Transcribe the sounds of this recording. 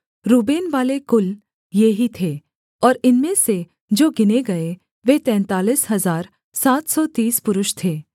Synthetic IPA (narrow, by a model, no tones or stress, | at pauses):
ɾuːbeːnʋaːlekʊl | jeɦit̪ʰeː | ɔːɾɪnmẽse | d͡ʒoːɡɪneɡɐe | ʋet̪ɛ̃ːnt̪aːliːsɦɐzaːɾ | saːt̪ʰsɔt̪iːspʊɾʊʃt̪ʰeː